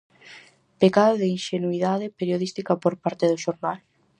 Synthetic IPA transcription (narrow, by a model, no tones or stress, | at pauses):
pekaðoðɪinʃenuiðaðepeɾjoðist̪ikɐpoɾpaɾt̪eðʊʃoɾnal